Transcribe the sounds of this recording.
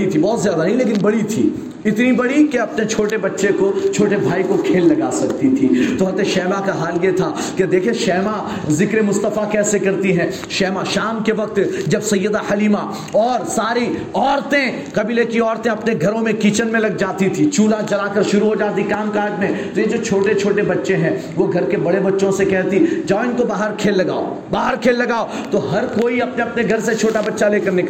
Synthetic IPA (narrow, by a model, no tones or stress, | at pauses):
it̪ʰibɔːt̪zjaːd̪anɐɦĩleːk̬ɪ̃nbɐɽit̪ʰḭː | ɪt̪nibɐɽikeɐpnet͡ʃʰoːʈebɐtːʃekot͡ʃʰoːʈebʱaːikokʰeːlːɐɡaːsɐk̚t̪it̪ʰit̪oɦɐt̪eʃɛːmakaɦaːljet̪ʰa | ked̪eːkʰieʃɛːma | zɪkɾemʊst̪əfakɛːsekɐɾt̪iɦɛ̃ː | ʃɛːmaʃaːmkeʋɐk̚t̪d͡ʒɐbsɐjːəd̪ahɐliːma | ɔːɾsaːɾiɔːɾt̪ẽ | kɐbiːlekiɔːɾt̪ẽɐpneɡʱɐɾõmẽkiːt͡ʃənmẽlɐɡ̚d͡ʒaːt̪it̪ʰit͡ʃuːlat͡ʃɐlaːkɐɾʃʊɾuɦod͡ʒaːt̪ikaːmkaːd͡ʒmẽt̪ojed͡ʒoːt͡ʃʰoːʈet͡ʃʰoːʈebɐtːʃẽɦɛ̃ | ʋoɡʱɐɾkebɐɽebɐtːʃõsekɛɦt̪id͡ʒaːɪnkobaːɦəɾkʰeːlːɐɡa̰ːo̰ | baːɦəɾkʰeːlːɐɡaːo | t̪oɦɐɾkoːiɐpneɐpneɡʱɐɾset͡ʃʰoːʈabɐtːʃaleːkɐɾnɪkː